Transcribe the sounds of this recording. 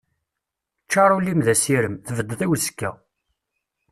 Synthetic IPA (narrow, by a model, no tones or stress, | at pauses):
t͡ʃːɑɾˤulːimðæsiɾəmθəvəd̪ːθæwəsə̥kːæ̰